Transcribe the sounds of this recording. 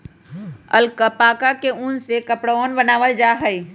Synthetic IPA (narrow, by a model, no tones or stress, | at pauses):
əlkəpaːkakeũːnsekɐpɽoːnbənaːʋəld͡ʒaːɦəi